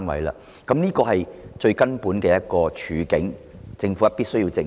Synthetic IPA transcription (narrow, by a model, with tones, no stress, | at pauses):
nwɐ̰˨˥jla̰ː˧ | kɐ˨˦mniː˥kɔː˧hɐ˨jt͡ʃɵ˧ɥkɐ˥npuː˨˥nkɛː˧jɐ˥t̚kɔː˧t͡ʃʰyː˨˥kɪ˨˥ŋt͡sɪ˧ŋfu˨˦˥ɐ˥pi˥tsɵ˥ɥjiː˧wt͡sɪ˧